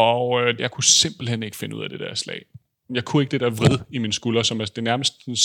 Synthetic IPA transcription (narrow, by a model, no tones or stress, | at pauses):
ɒʊøjɑ̈ɪkʰuse̝m̰b̥l̩hen̰e̝ɡ̥ə̥fe̝nəṵð̞̰ˠæd̥e̝d̥æɐslɛ̰ɪ̰ | jɑ̈ɪkʰue̝ɡ̥əd̥e̝d̥æɐʋʁið̞ˠiminsɡ̥ulɐsɒ̽mæd̥e̝næɐməsd̥ns